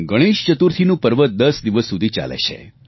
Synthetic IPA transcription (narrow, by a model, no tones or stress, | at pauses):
ɡəɽ̃iʃt͡ʃət̪uɾt̪ʰinũpəɾʋət̪̚d̪əsd̪iʋəsːud̪ʱit͡ʃa̰lḛt͡ʃʰḛ